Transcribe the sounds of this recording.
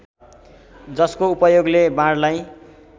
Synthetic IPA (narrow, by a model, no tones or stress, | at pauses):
d͡zʌskoupʌjoɡlebãɽlaj